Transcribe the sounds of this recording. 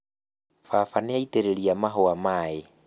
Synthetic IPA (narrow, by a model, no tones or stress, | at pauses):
fafanɛaiteɾeliamaɦowamaːje